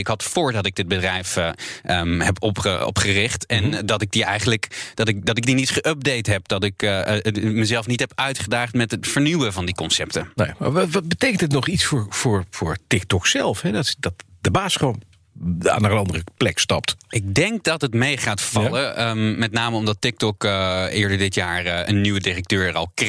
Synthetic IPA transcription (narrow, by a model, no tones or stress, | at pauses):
ɪkɦɑtfʊːɹdɑtɪɡ̚dɪd̚bədrɛjfʔəɦɛpɔpəɔ̰pχərɪχtɛndɑtɪɡ̚diʔɛjχənləkd̥ɑtɪk̚dɑtɪk̚dinitχəʔœp̚dejtɦɛp̚d̥ɑtɪk | məzɛlˠfnitɦɛpœɥtχədaːχtmɛtətfəɹnywəvɑndikɔnsɛp̚tənejma̰ʋɑt̚bətejkəndɪtnɔχitsfʊːɹfʊːɹvʊːɹtɪk̚tɔksɛlˠfɦɛdɑtdɑtd̥əbaːsχəʋon | a̰ːnəənɑndərəplɛkstɑ̰p̚tɪk̚dɛŋk̚dɑtətmejχaːtfɑləəmmɛtnaːməɔmdɑtɪk̚tɔkəɪːɹdəɹdɪtjaːɹʔə̰nːyʋədɪrək̚tøːɹərɑlˠk